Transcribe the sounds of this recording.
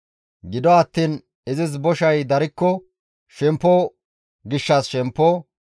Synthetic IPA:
ɡɪd̪ɔɐt̪ːiːn | ɪzɪsbɔʃɐjd̪ɐɾɪkːɔ | ʃɛmpːɔ | ɡɪʃːɐsʃɛmpːɔ

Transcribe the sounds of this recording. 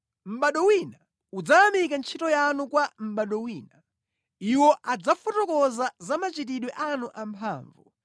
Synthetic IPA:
m̩ɓaɗɔwina | ud͡zaamikant͡ʃʰitɔjanukwam̩ɓaɗɔwiːna | iwɔʔad͡zafɔtɔkɔzazamat͡ʃit̬iɗwɛʔanuʔampʰa̰ːɱvṵ

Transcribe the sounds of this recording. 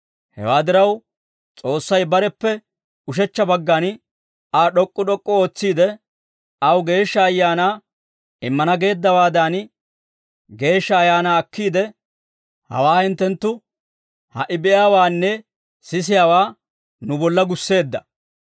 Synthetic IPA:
hɛ̰waːd̪ɪɾɐw | t͡sʼo̞ːsːɐjbɐɾɛpːɛ | ʊʃ̬ɛt͡ʃːɐbɐɡːɐn | aːɗɔkʼːʊɗɔkʼːɔo̞ːt͡sːiːd̪ɛ | ɐwɡe̞ːʃːɐːjːaːnaː | ɪmːɐnɐɡe̞ːd̪ːɐwaːd̪aːn | ɡe̞ːʃːɐːjaːnaːɐkːiːd̪ɛ | hɐ̰waːhɪnt̪ːɛnt̪ːʊ | hɐ̰ʔɪbɛʔjaːwaːnːɛ | sɪs̬ɪjaːwaː | nʊbɔlːɐɡʊsːe̞ːd̪ːɐ

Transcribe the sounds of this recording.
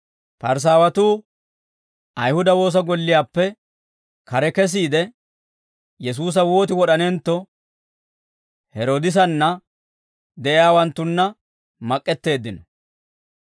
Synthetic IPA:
pɐɾs̬aːwɐt̪uː | ʔɐjhʊd̪ɐwo̞ːs̬ɐɡɔlːɪjaːpːɛ | kɐɾɛkɛs̬iːd̪ɛ | jɛs̬uːs̬ɐwo̞ːt̪̬ɪwɔɗɐnɛnt̪ːɔ | hɛɾoːd̪ɪs̬ɐnːɐ | d̪ɛʔɪjaːwɐnt̪ːʊnːɐ | mɐkʼːɛt̪ːe̞ːd̪ːɪnɔ

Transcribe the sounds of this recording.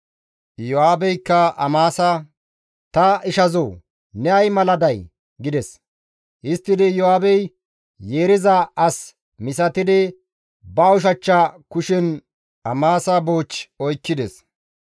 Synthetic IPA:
jɔhaːbɛjkːɐɐmaːsɐ | t̪ɐɪʃɐzoː | nɛɐjmɐlɐd̪ɐj | ɡɪd̪ɛs | ʔɪst̪ːɪd̪ɪjɔhaːbɛj | je̞ːɾɪzɐɐs | mɪsɐt̪ɪd̪ɪ | bɐʊʃ̬ɐt͡ʃːɐkʊʃɪn | ɐmaːsɐboːt͡ʃɔjkːɪd̪ɛs

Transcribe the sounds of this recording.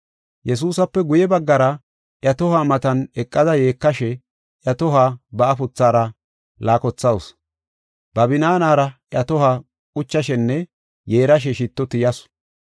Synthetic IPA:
jɛs̬uːsɐpːɛɡʊjɛbɐɡːɐɾɐ | ʔjɐt̪ɔhamɐt̪ɐnɛkʼːɐd̪ɐje̞ːkːɐʃɛ | ʔjɐt̪ɔɦaːbɐʔːfʊt͡sːaːɾɐ | laːkɔt͡sːɐws | b̥ɐbɪnaːnaːɾɐʔjɐt̪ɔhaː | kʼʊt͡ʃːɐʃɛnːɛ | jeːɾɐʃ̬ɛʃɪt̪ːɔt̪ɪjɐs

